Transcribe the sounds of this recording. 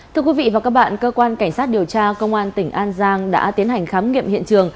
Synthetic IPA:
t̪ʰɨ˧əkwvḭ˧˨˩vaː˨˩wkaː˦˥k̚ɓa̰ː˧˨nkəː˧kwaː˧nka˧˩jŋ̟saː˦˥t̚ɗi˨˩əwt͡ɕaː˧kə˧wŋ͡mʔaː˧nt̪ï˧˩ŋ̟ʔaː˧nzaː˧ŋɗa̰ː˧˥t̪i˨˦ənɦa˨˩jŋ̟xaː˨˦mŋḭ˧˨əmhḭ˧˨ənt͡ɕɨ˨˩əŋ

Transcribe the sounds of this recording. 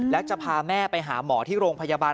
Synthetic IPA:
lɛː˦˥wt͡ɕa˨˩pʰaː˧mɛː˥˩pa˧jɦaː˩˦mɔː˩˦t̪ʰiː˥˩ɾoː˧ŋpʰa˧jaː˧baː˧

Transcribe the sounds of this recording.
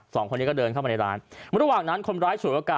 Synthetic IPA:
sɔː˩˦ŋʰo˧nːi˦˥kɔ˥˩dɤː˧nkʰa˥˩ma˧a˧jɾaː˦˥n˧ɾa˧waː˨˩ŋna˦˥nkʰo˧nɾaː˦˥jt͡ɕʰu˨˩˦ʔaː˧˩kaː˨˩

